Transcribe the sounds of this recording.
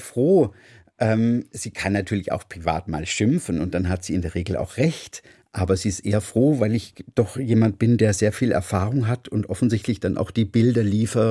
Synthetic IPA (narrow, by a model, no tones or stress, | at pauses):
fʁ̥oː | ʔɛːmz̥iːkʰanːatʰyːɐlɪça̰ʊxpʁ̥iva̰ːtma̰ːlʃɪmfn̩ʊnt̚d̥anɦatz̥iːɪndeːɐʁ̞eːɡl̩a̰ʊxʁ̥ɛçt | ʔaːbɐziːɪstʔeːɐfʁ̥oːvaɪlɪçd̥ɔχjeːmant̚b̥ɪndeːɐzeːɐfiːlɛ̰ɐfaːʁʊŋɦatʰʊntʔɔfn̩zɪçtlɪçd̥anʔa̰ʊxd̥iːbɪldɐliːfɐ